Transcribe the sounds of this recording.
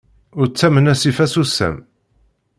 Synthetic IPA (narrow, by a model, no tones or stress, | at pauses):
ʊɾt͡sːæmənæsifæsusæ̰m